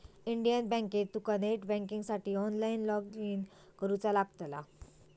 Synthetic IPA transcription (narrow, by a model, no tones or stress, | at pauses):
iɳɖijənbɛ̃ŋket̪̚d̪ukaneʈbɛ̃ŋkĩŋɡsaʈiːɔnlainlɔɡiːn | kəɾut͡salaɡt̪la̰